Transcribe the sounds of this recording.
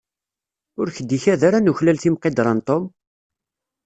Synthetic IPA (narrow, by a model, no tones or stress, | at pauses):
ʊɾçəd̪ːiçæðaɾanuçlælθimqed̪ɾˤɑnt̪ˤom